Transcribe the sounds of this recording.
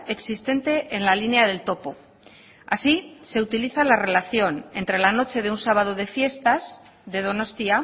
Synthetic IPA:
e̞ksist̪e̞nt̪e̞ʔːnlalineaðe̞lt̪o̞po̞ | asise̞ut̪iliθalare̞laθjo̞ne̞nt̪ɾe̞lano̞t͡ʃe̞ðe̞unsaβ̞að̞o̞ð̞e̞fje̞st̪az | ðe̞ð̞o̞no̞st̪ia

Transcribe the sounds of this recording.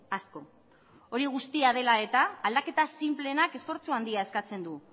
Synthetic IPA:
asko̞ | o̞ɾiɣ̞ust̪iað̞e̞lae̞t̪aːld̪ake̞t̪asimple̞nake̞sfo̞ɾt͡suand̪iae̞skat͡se̞nd̪u

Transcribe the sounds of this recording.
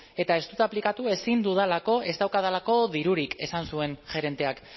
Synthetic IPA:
e̞t̪ae̞st̪ut̪aplikat̪ue̞sind̪uð̞alako̞e̞st̪awkaðalako̞ðiɾuɾike̞sansue̞nʝe̞ɾe̞nt̪e̞ak

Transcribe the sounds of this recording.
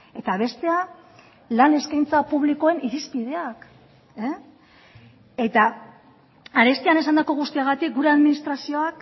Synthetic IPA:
e̞t̪aβ̞e̞st̪e̞a | lane̞skajnt͡sapuβ̞liko̞e̞nʔiɾispið̞e̞ak | e | e̞t̪a | aɾe̞st̪iane̞sand̪ako̞ɣ̞ust̪iaɣ̞at̪ik̚ɡuɾe̞aðminist̪ɾasio̞ak

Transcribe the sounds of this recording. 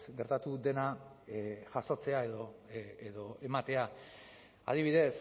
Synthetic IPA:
sɡe̞ɾt̪at̪uðe̞na | ʝaso̞t͡se̞ae̞ðoeðo̞e̞mat̪e̞a | a̰ð̞iβ̞iðe̞s

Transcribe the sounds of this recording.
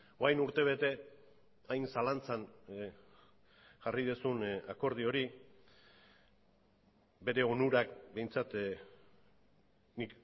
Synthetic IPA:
oajnuɾt̪e̞β̞e̞t̪e̞ | ajnsalant͡san | ʝarið̞esunako̞ɾð̞io̞ɾi | be̞ɾe̞o̞nuɾakbe̞jnt͡sat̪ | nik

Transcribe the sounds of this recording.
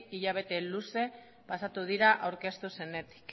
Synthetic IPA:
iʎaβ̞e̞t̪e̞luse̞ | pasat̪uð̞iɾaʔawɾkest̪use̞ne̞t̪i̥k

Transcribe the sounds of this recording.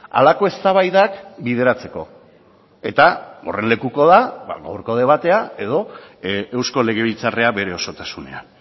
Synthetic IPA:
a̰lako̞est̪aβajðakbið̞e̞ɾat͡se̞ko̞̰ | e̞t̪ao̞̰re̞nle̞kuko̞ðaba̰ɣa̰wɾko̞ðe̞β̞at̪e̞ae̞ðo̞e̞wsko̞le̞ɣ̞e̞βit͡sare̞aβe̞ɾe̞o̞so̞t̪asune̞̰a

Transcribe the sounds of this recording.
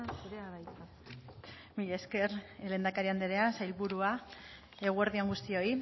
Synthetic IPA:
suɾeaβajt̪a | miʎe̞ske̞ɾelend̪akaɾiand̪eɾe̞asajlβuɾua | e̞ɣ̞ue̞ɾðio̞ŋɡust̪io̞i

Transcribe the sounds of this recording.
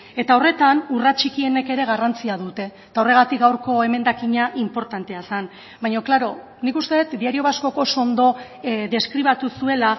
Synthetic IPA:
e̞t̪ao̞re̞t̪anurat͡ʃikie̞ne̞ke̞ɾe̞ɣ̞arant͡siaðut̪e̞ | t̪ao̞re̞ɣ̞at̪ik̚ɡawɾko̞e̞me̞nd̪akiɲaʔimpo̞ɾt̪ant̪e̞asan | bajɲo̞klaɾo̞ | nikust̪e̞ðet̪d̪iaɾio̞βasko̞ko̞so̞nd̪o̞ | ðe̞skɾiβ̞at̪usue̞la

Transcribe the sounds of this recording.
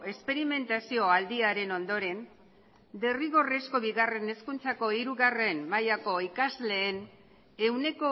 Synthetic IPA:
e̞spe̞ɾime̞nt̪asio̞ald̪iaɾe̞no̞nd̪o̞ɾe̞n | d̪e̞riɣo̞resko̞βiɣare̞ne̞skunt͡sako̞iɾuɣare̞nmajako̞ikazle̞ːn | ewne̞ko̞

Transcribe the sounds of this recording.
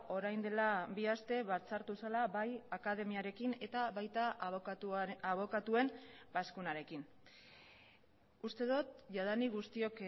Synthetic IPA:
o̞ɾajnd̪e̞labiast̪e̞βaɾt͡saɾt̪usalaβajakað̞e̞miaɾe̞kine̞t̪aβajt̪a | aβo̞kat̪ue̞mbaskunaɾe̞kin | ust̪e̞ðot̪ʝað̞aniɣust̪io̞k

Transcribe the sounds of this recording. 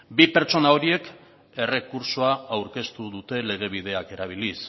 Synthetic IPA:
bipe̞ɾt͡ʃo̞nao̞ɾie̞k | e̞re̞kuɾsoaawɾke̞st̪uðut̪e̞le̞ɣ̞e̞β̞iðe̞ake̞ɾaβ̞ilis

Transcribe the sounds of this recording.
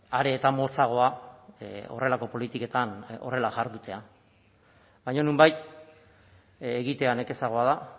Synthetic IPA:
aɾe̞ːt̪amo̞lt͡saɣ̞o̞a | o̞̰re̞lako̞po̞lit̪ike̞t̪ano̞̰re̞laʝaɾðut̪e̞a | bajɲonumbajt̪ | eɣit̪e̞ane̞ke̞saɣ̞o̞að̞a

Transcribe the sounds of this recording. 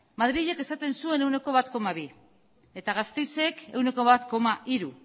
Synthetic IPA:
maðɾiʎe̞ke̞sat̪e̞nsue̞ne̞wne̞ko̞β̞at̪ko̞maβ̞i | e̞t̪aɣ̞ast̪e̞jse̞ke̞wne̞ko̞βat̪ko̞maʔiɾu

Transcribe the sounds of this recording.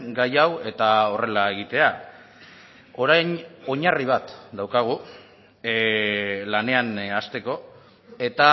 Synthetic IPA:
ɡajawe̞t̪ao̞re̞lae̞ɣit̪e̞a | o̞ɾaɲo̞ɲariβ̞at̪d̪awkaɣ̞u | lane̞anast̪e̞ko̞ | e̞t̪a

